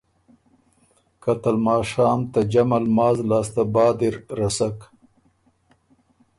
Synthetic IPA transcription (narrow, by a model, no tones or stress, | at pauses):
kat̪almɑːʂɑːmt̪ad͡ʒamalmɑːzlɑːst̪abɑːd̪iɾɾasak